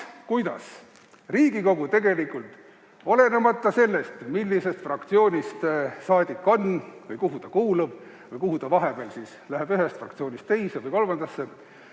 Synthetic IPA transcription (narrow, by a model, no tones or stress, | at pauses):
kujd̪ɑ̰s | riːɡ̥iko̞ɡ̥ut̪e̞ɡe̞likːˑult̪ˑ | o̞le̞nemɑt̪ˑːɑse̞lːe̞st̪milːise̞st̪frɑkt̪sio̞ːnʲist̪sɑːd̪̥ʲikːˑo̞nːvɯjkuɦut̪ɑkuːlub̥ | vɯjkuɦut̪ɑvɑɦe̞b̥eːlsiːslæɦeb̥yɦe̞st̪frɑ̰kt̪sio̞ːnʲist̪t̪e̞jsevɯjko̞lmɑnd̪̥ɑsːe